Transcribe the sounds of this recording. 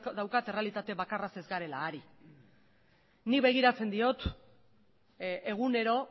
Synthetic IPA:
d̪awkat̪e̞re̞alit̪at̪e̞βakarase̞zɡaɾe̞laːɾi | niβe̞ɣ̞iɾat͡se̞nd̪io̞t̪ | e̞ɣ̞une̞ɾo̞

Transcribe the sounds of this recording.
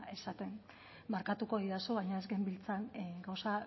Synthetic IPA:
e̞sat̪e̞n | maɾkat̪uko̞ðiðasoβajɲaezɡembilt͡sanɡawsa

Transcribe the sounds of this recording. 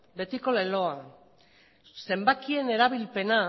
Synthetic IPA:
be̞t̪iko̞le̞lo̞a | se̞mbakie̞ne̞ɾaβilpe̞na

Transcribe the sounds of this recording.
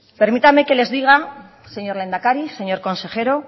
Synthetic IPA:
pe̞ɾmit̪ame̞ke̞le̞zðiɣ̞a | se̞ɲo̞ɾle̞nd̪akaɾise̞ɲo̞ɾko̞nse̞xe̞ɾo̞

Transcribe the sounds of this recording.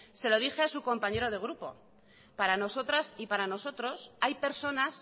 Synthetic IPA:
se̞lo̞ð̞ixeasuko̞mpaɲe̞ɾo̞ð̞e̞ɣ̞ɾupo̞̰ | paɾano̞so̞t̪ɾasipaɾano̞so̞t̪ɾo̞sajpe̞ɾso̞nas

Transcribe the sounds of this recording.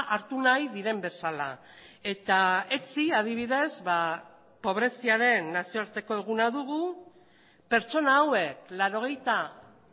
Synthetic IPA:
ʔaɾt̪unajðiɾe̞mbe̞sala | e̞t̪ae̞t͡siað̞iβ̞iðe̞zβa | po̞β̞ɾe̞siaɾe̞nːasioaɾt̪e̞ko̞e̞ɣ̞unaðuɣ̞u | pe̞ɾt͡ʃo̞naːwe̞k̚laɾo̞ɣe̞jt̪a

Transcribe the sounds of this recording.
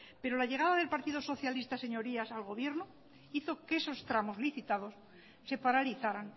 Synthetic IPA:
pe̞ɾolaʎe̞ɣ̞aðaðelpaɾt̪iðo̞so̞θjalist̪ase̞ɲo̞ɾiasalɣo̞βje̞ɾno | iθo̞keso̞st̪ɾamo̞zliθit̪að̞o̞sː | e̞paɾaliθaɾaŋ

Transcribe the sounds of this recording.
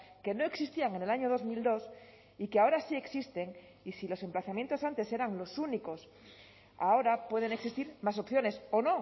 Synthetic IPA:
ke̞no̞e̞ksist̪iaŋe̞ne̞laɲo̞ð̞o̞zmild̪o̞s | ikeao̞ɾasie̞ksist̪e̞ŋ | isilo̞se̞mplaθamje̞nt̪o̞sant̪e̞se̞ɾaŋlo̞suniko̞s | a̰o̞ɾapwe̞ð̞e̞neksist̪iɾmas̬o̞pθjo̞ne̞so̞no̞

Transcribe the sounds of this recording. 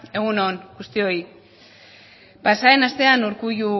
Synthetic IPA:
e̞ɣunonɡust̪io̞i | pasaenast̪e̞anuɾkuʝu

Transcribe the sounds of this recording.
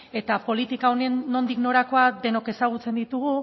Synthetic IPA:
e̞t̪apo̞lit̪ikaonenːo̞nd̪ikno̞ɾako̞ad̪e̞no̞ke̞saɣ̞ut͡se̞nd̪it̪uɣ̞u

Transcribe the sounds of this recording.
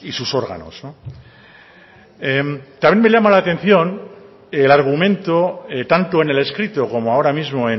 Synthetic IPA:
isuso̞ɾɣa̰no̞̰sno | emt̪amje̞nme̞ʎamalaːt̪ẽ̞nθjo̞n | elaɾɣ̞umẽ̞nt̪o̞et̪ant̪o̞e̞ne̞le̞skɾit̪oko̞mo̞ao̞ɾamizmo̞e̞

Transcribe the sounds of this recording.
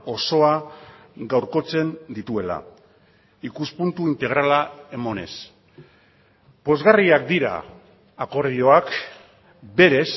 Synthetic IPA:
o̞so̞a | ɡawɾko̞t͡se̞nd̪it̪ue̞la̰ | ikuspunt̪uint̪e̞ɣ̞ɾalae̞mo̞ne̞s | po̞zɣariakd̪iɾa̰ː | ko̞ɾðio̞ak | be̞ɾe̞s

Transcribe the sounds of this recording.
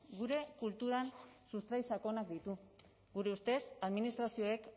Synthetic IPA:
ɡuɾe̞kult̪uɾansust̪ɾajsako̞nakd̪it̪u | ɡuɾe̞ust̪e̞saðminist̪ɾasio̞ek

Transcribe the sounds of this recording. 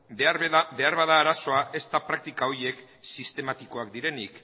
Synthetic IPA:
beaɾðbe̞aɾβað̞aːɾaso̞ae̞st̪apɾak̚t̪ikao̞ɾie̞k | sist̪e̞mat̪iko̞akd̪iɾe̞nik

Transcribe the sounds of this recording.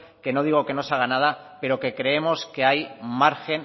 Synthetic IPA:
ke̞no̞ðiɣo̞ke̞no̞saɣanað̞a | pe̞ɾo̞ke̞kɾe̞e̞mo̞ske̞ajmaɾxe̞n

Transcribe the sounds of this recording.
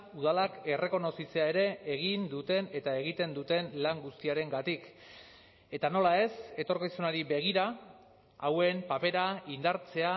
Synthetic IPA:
uð̞alake̞re̞ko̞no̞sit͡se̞ae̞ɾe̞ːɣ̞ind̪ut̪e̞ne̞t̪ae̞ɣ̞it̪e̞nd̪ut̪e̞nlaŋɡust̪iaɾe̞ŋɡat̪ik | e̞t̪ano̞lae̞se̞t̪o̞ɾkisunaɾiβe̞ɣ̞iɾa | awe̞mpape̞ɾaind̪aɾt͡se̞a

